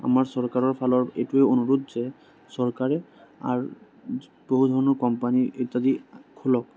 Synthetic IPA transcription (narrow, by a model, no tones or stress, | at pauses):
a̰maɹsɔɹkaɹɔɹpʰalɔɹetueonuɹudzɛ | sɔɹkaɹɛa̰ɹ | b̥oɦudʱɔɹɔnɔɹkɔmpaniet̪adikʰulɔk̚